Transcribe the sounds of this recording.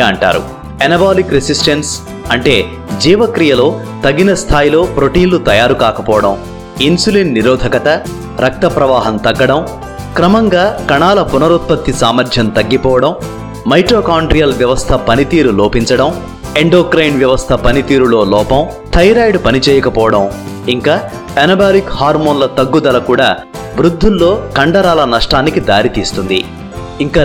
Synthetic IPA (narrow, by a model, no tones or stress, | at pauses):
ɐɳʈa̰ːɾṵ | ɐnɐbaːlikɾesisʈens | ɐɳʈe̞ː | d͡ʒiːʋɐkɾijɐlo̞ː | t̪ɐɡːinɐst̪ʰaːjilo̞ːpɾo̞ʈiːnlut̪ɐjaːɾukaːkɐpɔːʋɐɽɐ̰m | insulinːiɾɔːd̪ʱɐkɐt̪ɐ | ɾɐk̚t̪ɐpɾɐʋaːɦɐmt̪ɐɡːɐɽɐm | kɾɐmɐŋɡaːkɐɳaːlɐpunɐɾut̪̚pɐt̪ːisaːmɐɾd͡ʒ̪ʱjɐnt̪ɐɡːipɔːʋɐɽɐm | mɐjʈɾoːkaːɳɖɾijɐlʋjɐʋɐst̪ʰɐpɐnit̪iːɾuloːpiɲt͡ʃɐɽɐm | e̞ɳɖoːkɾɐjnʋjɐʋɐst̪ʰɐpɐnit̪iːɾulo̞ːlɔːpɐm | ʈʰɐjɾaːjɖpɐnit͡ʃɛːjɐkɐpɔːʋɐɽɐm | iŋkaː | ɐnɐbaːlikhaːɾmoːnlɐt̪ɐɡːud̪ɐlɐkuːɽaː | ʋɾud̪ʱːulːo̞ːkɐɳɖɐɾaːlɐnɐʂʈaːnikid̪aːɾit̪iːst̪und̪ḭ | iŋkaː